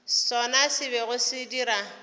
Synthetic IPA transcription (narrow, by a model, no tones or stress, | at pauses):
sɔnasɪβɛɣʊsɪdiɾa